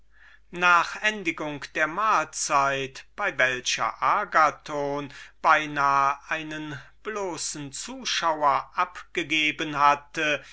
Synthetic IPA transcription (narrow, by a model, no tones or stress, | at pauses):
naːχʔɛndɪɡʊŋkd̥eːɐmaːlt͡saɪtb̥aɪvɛlɕɐ̰ʔaɐɡatʰoːnb̥aɪnaːəʔaɪnənb̥loːsn̩t͡suːʃaʊɐʔapɡ̥əɡeːbənhatə